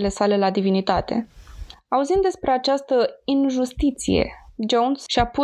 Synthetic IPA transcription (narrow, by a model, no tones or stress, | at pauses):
le̞sale̞lad̪ivinit̪at̪e̞̰ | auzind̪e̞spɾe̞at͡ʃast̪əinʒust̪it̪sije̞̰d͡ʒownsʃiapu